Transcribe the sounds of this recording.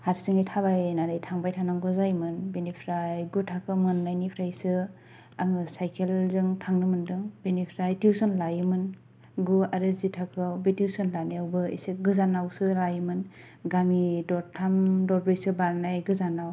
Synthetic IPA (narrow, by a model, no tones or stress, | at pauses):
haɾsɯŋejtʰabajnanɯjtʰaŋbajtʰanaŋɡɯzajmɯnbenipʰɾajɡutʰakʰɯmɯnːajnipʰɾajsɯ | aŋɯsajkʰelzɯŋtʰaŋnɯmɯndɯŋbenipʰɾajtiwsɔnlajɯmɯn | ɡuaɾɯzitʰakʰɯbetiwsɔnlanijawbɯḭseɡɯzanawsɯlajmɯn | ɡamidɔɾtʰamdɔɾbɾejsɯbaɾnajɡɯzanaw